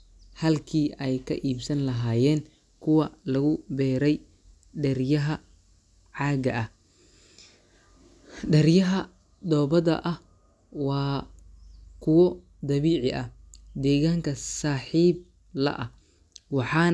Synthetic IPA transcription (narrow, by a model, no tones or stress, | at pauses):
hɐlkʰiːʔɛjkʰɐʔiːbsɐnlɐɦaːjɛːn | kʰʊwɐlɐɣʊbɛːɾɛj | ɖɛrjɐɦɐ | ʕɑːɡɐʔɐh | ɖɐrjɐɦɐ | d̪ɔːbɐðɐ̰ʔɐh | wɑː | kʰʊwɔ | d̪ɐβiːʕɪʔɐ | d̪ɛːɣaːŋkʰɐsaːħiːb̚ | lɐ̰ʔɐ | wɑħɑː